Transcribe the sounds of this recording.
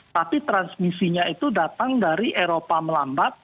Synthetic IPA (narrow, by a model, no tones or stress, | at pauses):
t̪apit̪ɾansmisiɲait̪udat̪aŋdaɾiʔeɾopaməlambat̪̚